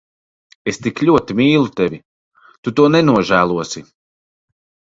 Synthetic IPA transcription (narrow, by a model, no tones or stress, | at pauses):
est̪iklʲuɔt̪imʲiːlˠut̪ɛvʲi | t̪ut̪uɔnɛnuɔʒæːlˠuɔsi